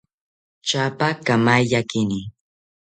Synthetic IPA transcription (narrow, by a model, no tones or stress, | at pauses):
t͡ʃapakamajʎakɪni